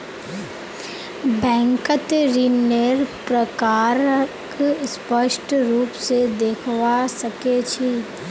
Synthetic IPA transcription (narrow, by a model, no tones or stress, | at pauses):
bɛ̃ːŋkət̪ɾineɾpɾəkaːɾəkspəʃʈʰɾuːpsed̪eːkʰwasɐket͡ʃʰi